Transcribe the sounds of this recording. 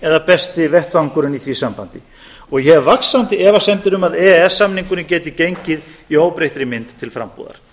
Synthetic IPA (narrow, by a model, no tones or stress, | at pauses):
ɛðapɛst̪ɪvɛht̪vaŋkʏɾʏniθvisampant̪ɪ | ɔɣjɛvaksant̪ɪɛvasɛnt̪ɪɾʏmaðɛɛsːamniŋkʏnɪcɛːt̪ɪcejɲcɪðioːwpɾejht̪ɪɾɪmɪnt̪ʰːɪlfɾa̰mpṵːða̰ɾ̥